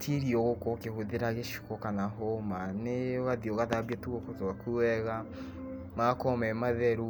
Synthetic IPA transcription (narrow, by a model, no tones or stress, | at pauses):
tʰiɾiɔɣokokehoðeɾaɣeʃi̥kɔkanaɦɔmaneɣaðioɣaðaβiatuɣokotoɣakuɛɣa | makɔmɛmaðɛɾu